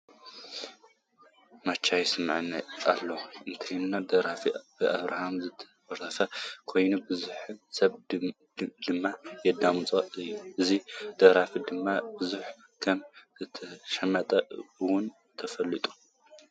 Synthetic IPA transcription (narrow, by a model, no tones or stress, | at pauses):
mat͡ʃʰːajsɨmʕnːɐa̰lːɐʔɨnt̪ʰɨinːad̪ɐɾafib̥ɨʔaβɾa̰hamzɨt̪ʰɐ̥fɐɾt̪ʰɐfɐkʰo̞jnubɨzuħsɐβ | d̪ɨmːajɛd̪amt͡sʼoɨjːuʔɨzid̪̥ɐɾafid̪ɨmːabɨzuħ | kʰɐmzɨt̪ʰɐʃɐmːɐt̪ʼɐɨwʊn | t̪ʰɐfɐlːit̪ʼu̥